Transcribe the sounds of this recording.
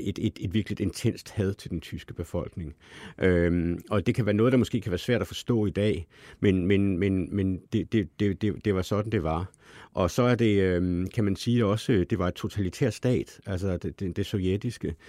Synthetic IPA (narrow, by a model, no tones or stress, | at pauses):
ed̥ed̥e̝d̥ʋiɐɡ̥lid̥e̝nt͡sʰen̰sd̥hæð̞ˠt͡sʰe̝ld̥ent͡sʰysɡ̥əb̥e̝fɒ̽l̰ɡ̥ne̝ŋʔømɒ̽d̥e̝kʰæʋæːɐnɔ̽ːð̞̩ˠd̥ɑ̈mo̽sɡ̥e̝̰ːkʰæʋæːɐsʋæɐ̰d̥æfɒ̽sd̥ɔ̰̽ːid̥ɛ̰ːmenmenmenmend̥e̝d̥e̝d̥e̝d̥e̝d̥e̝ʋɑ̈sɒ̽d̥n̩d̥e̝ʋɑ̈ | ʔɒ̽sɒ̽æɐd̥e̝ømkʰæmænsiːɒ̽səd̥e̝ʋɑ̈e̝d̥̚t͡sʰo̝t͡sʰælit͡sʰɛ̰ɐ̰sd̥ɛ̰ːd̥ʔæls̬ɒd̥ed̥ed̥e̝soʊjed̥isɡ̥ə